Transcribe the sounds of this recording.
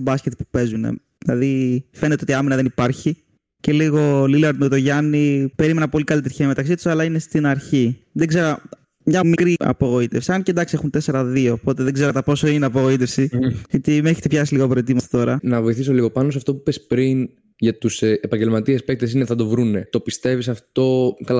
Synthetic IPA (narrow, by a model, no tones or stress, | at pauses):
bɐscet̪pu̥pe̞zunḛ | ðilɐðife̞net̪eo̞t̪iɐminɐðe̞nipɐɾçi | ce̞liɣo̞lilɐɾot̪oʝɐnipe̞ɾime̞nɐpo̞likɐlit̪eɾçeɐmet̪ɐksit̪u̥sɐlɐinest̪inɐɾçiðeɡze̞ɾo | mɲɐmikɾiɐ̰po̞ɣo̞it̪e̞fsiɐncend̪ɐksiexunt̪e̞se̞ɾɐðio̞po̞t̪e̞ðeɡze̞ɾot̪ɐpo̞so̞ineɐpo̞ɣo̞it̪e̞fsiʝɐt̪imeçet̪epçɐsiliɣoɐpoɾet̪̬imɐst̪ɐ̥t̪o̞ɾɐnɐvo̞iθiso̞liɣo̞pɐnos̬ɐft̪o̞pupespɾin | ʝɐt̪usepɐɲɟelmɐt̪iespek̚t̪es̬ineθɐd̪o̞vɾunet̪o̞pist̪evisɐft̪o̞kɐl